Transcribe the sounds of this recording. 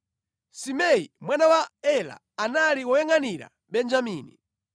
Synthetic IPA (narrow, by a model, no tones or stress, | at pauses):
simɛimwanawaɛla̰ːnaliwɔjɛŋaniɾa̰ | ɓɛnd͡ʒamiːni